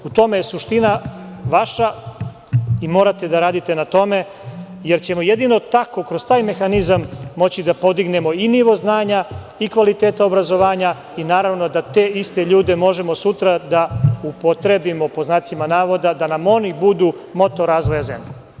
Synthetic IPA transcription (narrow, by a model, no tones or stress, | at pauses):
ut̪o̞me̞jesuʃt̪ina | ʋaʃa | imo̞ːɾat̪e̞d̪aɾaːd̪it̪e̞nat̪o̞me̞ | je̞ɾt͡ɕe̞mojed̪ino̞t̪ako̞kɾo̞st̪aːjme̞xanizamːo̞t͡ɕid̪apo̞d̪iɡne̞mo̞iniʋo̞znaːɲa | ikʋalit̪eːt̪aobɾazo̞ʋaːɲa | inaːɾaʋno̞d̪at̪e̞ːist̪eʎuːd̪e̞mo̞ʒe̞mo̞sut̪ɾad̪aupo̞t̪ɾe̞bimo̞po̞znaːt̪simanaːʋo̞d̪ad̪anamo̞nibud̪u | mo̞t̪o̞ɾaːzʋo̞jaze̞̰mʎe